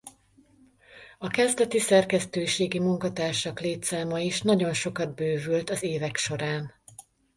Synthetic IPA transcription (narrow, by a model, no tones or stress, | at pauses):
ɒkɛzd̪ɛt̪isɛrkɛst̪øːʃeːɡimuŋkɒt̪aːrʃɒkleːt̪saːmɒiʃnɒɟo̞nʃo̞kɒd̪̚bøːvylt̪ɒzeːvɛkʃo̞ɾaːn